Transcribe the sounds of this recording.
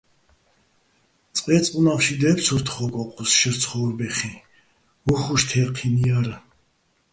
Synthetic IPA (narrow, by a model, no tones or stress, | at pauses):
t͡sʼqʼvɛːt͡sʼqʼunaχʃid̪ɛpʰsʰuɾt̪ʰχɔkʼɔqʰʼusʃɛɾt̪sʰχɔːɾbɛχi | vuχuʃt̪ʰɛːqʰiniaɾa